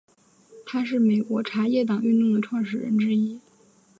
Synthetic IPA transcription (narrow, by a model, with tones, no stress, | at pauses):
t̪ʰa˥ʂ̬ɻ̩˥˩me˨˩ɪkwɔ˧˥ʈ͡ʂʰa˧˥jɛ˥˩t̪̬ɑ˨˩ŋy˥˧nt̪ʊ˥˩ŋd̪ə˩ʈ͡ʂʰwɑ˥˧ŋʂɻ̩˥˩ɻə̰˧˥nʈ͡ʂɻ̩˥i˥